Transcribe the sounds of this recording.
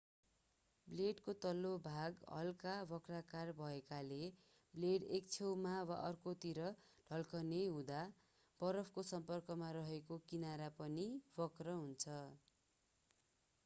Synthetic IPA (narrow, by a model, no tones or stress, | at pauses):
bleɖkot̪ʌlːobʱaɡɦʌ̰lkabʌkrakarbʱʌekale | bleɽek̚t͡sʰewmawaʔʌrkot̪iɾʌ | ɖ̥ʱʌlkʌnejɦũd̪a | b̥ʌɾʌpʰkosʌmpʌrkʌmaɾʌɦekokinaɾapʌnibʌkrʌɦunt͡sʰʌ